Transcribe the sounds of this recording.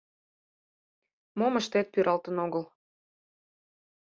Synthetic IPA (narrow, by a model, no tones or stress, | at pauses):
moməʃt̪et̪̚pyɾɑlt̪ənoɣəl